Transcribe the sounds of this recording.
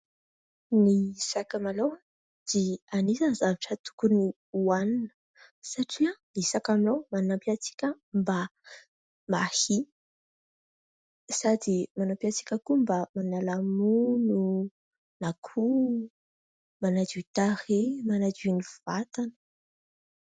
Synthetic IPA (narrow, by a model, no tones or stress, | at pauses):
niisakamalawa | d̪̥ianisanzavaʈ͡ʂət̪u̥kuni | uaninə̥ | saʈ͡ʂianisakaminawmanapiat͡si̥kʲə | mba | mahi | sad̪imanapiat͡si̥kʲəkumbamanalamunu | nakʰu | manad͡ʒiuit̪aɾemanad͡ʒiniv̥at̪anə̥